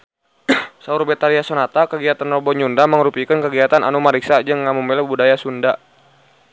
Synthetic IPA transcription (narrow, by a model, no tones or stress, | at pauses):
saurbɛt̪aliasɔnat̪akəɡiat̪anrɔbɔɲundaməŋɾupikankəɡiat̪anʔa̰numaɾiksad͡ʒɨŋːamumbɛlɔbudajasunda